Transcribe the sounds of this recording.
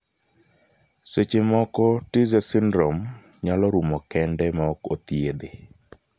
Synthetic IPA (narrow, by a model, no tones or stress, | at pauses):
set͡ʃemɔkɔtizɛsindɾom | ɲalɔɾumɔkɛndɛmaɔkot̪jed̪e